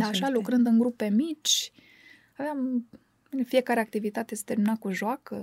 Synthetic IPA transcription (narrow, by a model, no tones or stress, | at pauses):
aʃalukɾɨnd̪ɨŋɡɾupe̞mit͡ʃʲ | aveam | ɨnfije̞kaɾe̞ak̚t̪ivit̪at̪ese̥t̪eminakuʒoakə